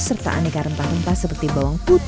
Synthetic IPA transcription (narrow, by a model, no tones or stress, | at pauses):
sərt̪a̰ʔa̰nikaɾəmpahrəmpahsəpərt̪ibawɔŋkut̪